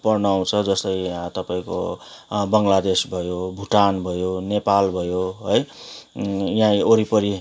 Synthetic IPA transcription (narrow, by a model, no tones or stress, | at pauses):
pʌrnʌaw̃t͡sʰʌd͡zʌst̪ʌjt̪ʌpaĩko̰ | bʌŋɡlad̪esbʱʌjobʱuʈanbʱʌjonepalbʱʌjoɦʌj | jãoɾipʌɾi